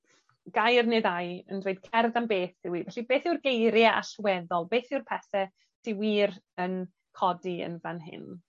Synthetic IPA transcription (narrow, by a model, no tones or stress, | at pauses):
ɡ̥ajrnɨðajəndwejd̥̚kʰɛrðambeːθɪwivɛɬibeːθɪwrɡejɾjaʔa̰ɬwɛðɔlˠbeːθɪwrpʰɛθɛ | tʰɪwiːr | ən | kʰɔdiə̰nvanɦɪ̰n